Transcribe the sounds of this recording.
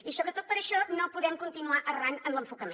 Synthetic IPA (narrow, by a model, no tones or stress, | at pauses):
isoβɾət̪ot̪̚pəɾəʃɔnopuðɛmkunt̪inuaʔəranənləɱfukəme